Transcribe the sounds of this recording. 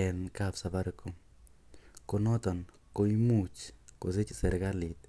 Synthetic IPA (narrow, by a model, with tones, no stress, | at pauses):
ɛ˨nkapsa˨ba˦ɾɪko˦ | ko˧nɔ˦t̪ɔ˨n | ko˦i˦mu˨t͡ʃko˨se˦t͡ʃsɛ˨ɾɡa˦lɪ˨t̪̚